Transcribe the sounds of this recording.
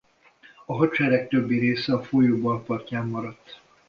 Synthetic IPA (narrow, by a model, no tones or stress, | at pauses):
ɒɦɒt͡ʃɛɾɛk̚t̪øbːiɾeːsɛɒfoːjoːbɒlpɒrcaːmːɒɾɒt̪ː